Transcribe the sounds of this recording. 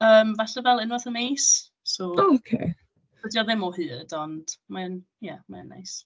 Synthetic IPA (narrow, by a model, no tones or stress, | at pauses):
əːmvaɬɛvɛlˠɪnwəðəmejs | sookʰḛː | bədiɔðɪmɔhɨːdɔnd̥man | jamaənːa̰js